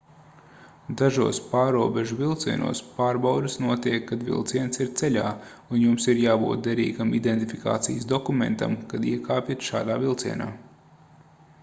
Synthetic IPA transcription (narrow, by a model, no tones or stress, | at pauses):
d̪aʒuɔspaːɾuɔbɛʒuvilˠt̪siɛnṵɔːspaːɾbawd̪ɨsnuɔt̪iɛkːad̪vḭlˠt̪siɛnsiɾt̪sɛʎa̰ː | unjumsiɾjaːbṵːt̪̚d̪ɛɾiːɡamid̪ent̪ifika̰ːt̪sḭjsd̪ɔkumḛ̃nt̪a̰mkad̪iɛkaːpʲit̪ʃa̰ːd̪aːvilˠt̪siɛna̰ː